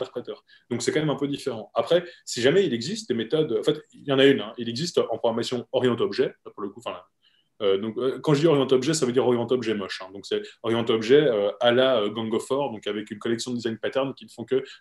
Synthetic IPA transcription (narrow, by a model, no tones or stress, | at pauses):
t̪ɛʁpχet̪œːʁ | d̪̥ɔ̃ksɛkɑ̃mɛmɛ̃pød̪ifeʁɑ̃apχɛsiʒamɛilɛɡzist̪̚d̪emet̪ɔd̪ɑ̃fɛt̪jɑ̃naynɛ̃ilɛɡzist̪ɑ̃pχɔɡʁamasjɔ̃ɔʁjɑ̃t̪ɔbʒɛapuʁləkufɛ̃la | ød̪ɔ̃køkɑ̃ʒəd̪iɔʁjɑ̃t̪ɔbʒɛsavød̪iʁɔʁjɑ̃t̪ɔbʒɛmɔʃɛ̃d̪ɔ̃ksɛɔʁjɑ̃t̪ɔbʒɛøalaøɡɑ̃ɡɔfɔʁd̪ɔ̃kavɛkynkɔlɛksjɔ̃d̪əd̪izajnpat̪ɛʁnkʲinəfɔ̃kə